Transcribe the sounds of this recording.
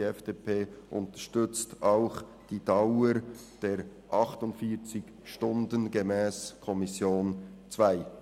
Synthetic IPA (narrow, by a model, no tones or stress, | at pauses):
ɛfd̥eːpʰeːʔʊntəʃtʏt͡staʊχ | d̥iːdaʊə | d̥eːɾʔɑχtʊntfiːt͡sɪç | ʃtʊndənɡemɛːskʰɔmɪsjoːnt͡sv̥aɪ